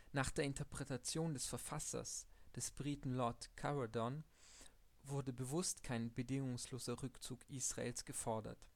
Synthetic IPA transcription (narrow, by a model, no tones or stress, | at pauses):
naːχd̥eːɐɪntəɐpʁ̥ɛtat͡sjoːndɛsfɛɐfasɐ̰sd̥ɛsb̥ʁiːtn̩lɔɐtkʰaʁadɔn | vʊɐdəbəvʊstkʰaɪnbədɪŋʊŋsloːzɐʁʏkt͡suːkʔiːsʁ̥aʔḛːlsɡ̥əfɔɐdɐ̰t